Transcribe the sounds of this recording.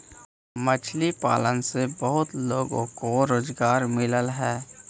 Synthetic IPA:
mət͡ʃʰlipa̰ːlənsebəɦʊt̪loːɡõ̰koɾoːzɡaːɾmɪləlɦɛː

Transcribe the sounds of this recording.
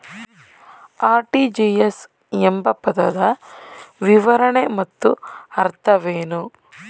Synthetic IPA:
aːɾʈid͡ʒiːes | embɐpɐd̪ɐd̪ɐ | ʋiʋɐɾɐɳemɐt̪ːuɐɾt̪ʰɐʋeːnu

